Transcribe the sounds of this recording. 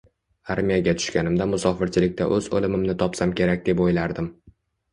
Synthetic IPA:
aɾmijaɡʲat̪ʰʊ̥ʃkʲanɪmd̪amʊsɒfɪɾt͡ʃʰɪlɪk̚ʲt̪aʔɵzo̰lɪmɪmnɪt̪ʰɒpsamkʲʰe̞ɾak̚ʲd̪e̞pojlaɾd̪ɪm

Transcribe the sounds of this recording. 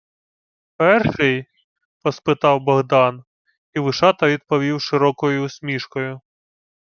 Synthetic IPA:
pɛrʃɪj | pɔspɪt̪ɑwbɔɦd̪ɑn | iʋɪʃɑt̪ɐʋʲid̪̚pɔʋʲiwʃɪɾɔkɔjʊsʲmʲiʃkɔjʊ

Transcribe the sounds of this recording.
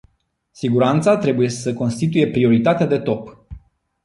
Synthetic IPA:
siɡuɾant̪sat̪ɾe̞buje̞səko̞nst̪it̪uje̞pɾio̞ɾit̪at̪ead̪e̞t̪o̞p

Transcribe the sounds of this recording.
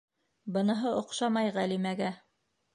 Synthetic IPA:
bɤ̆nɤ̆ɦɤʔŏqʃɑmɑjʁælimæɡæ

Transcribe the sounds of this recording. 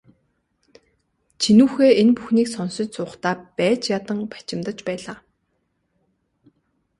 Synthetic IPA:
t͡ɕʰinuːxeːenpuxniːksɔnsɪ̆t͡ɕsʰʊːχt̪aːpæːt͡ɕjat̪ə̆ŋpḁt͡ɕɪ̆mt̪ə̆t͡ɕpæːɮaː

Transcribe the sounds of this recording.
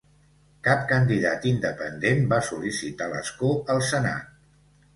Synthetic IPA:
kap̚kənd̪iðat̪ind̪əpə̰nd̪embasulisit̪alə̰skoəlˠsəna̰t̪̚

